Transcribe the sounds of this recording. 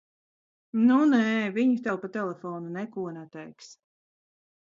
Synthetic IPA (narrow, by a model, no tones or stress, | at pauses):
nunɛːviɲut̪ɛlˠpat̪ɛlˠɛfɔːnunɛkuɔnɛt̪ɛjks